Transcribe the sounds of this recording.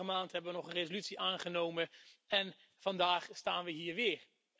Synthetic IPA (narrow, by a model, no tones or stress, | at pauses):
əmaːntɦɛbəʋənɔχənrezolytsiʔaːnχənowmənɛn | v̥ɑndaːχstaːnʋəɦiːɹʋɪːɹ